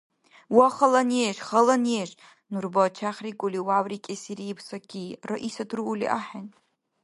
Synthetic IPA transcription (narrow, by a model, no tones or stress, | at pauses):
waχalaneʃχalaneʒ | nurbat͡ʃʰaχʲrikʼʊliwawrikʲʼesiɾiːbʰsakʲʰiraʔisadʰruulḭʔaħan